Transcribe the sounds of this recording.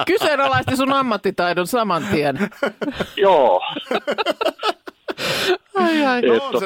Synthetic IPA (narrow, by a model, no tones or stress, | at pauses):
kysenɑlɑist̪isunɑmːɑt̪ːit̪ɑidonsɑmɑnt̪iɛn | joː | ɑjɑiet̪ː